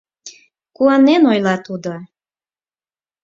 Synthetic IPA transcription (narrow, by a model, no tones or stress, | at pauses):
kuɑnenojlɑt̪ud̪o